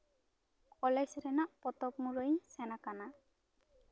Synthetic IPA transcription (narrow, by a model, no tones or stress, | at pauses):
kɔlɛsɾɛnaʔpɔt̪ɔpmuɾəɲsɛnakana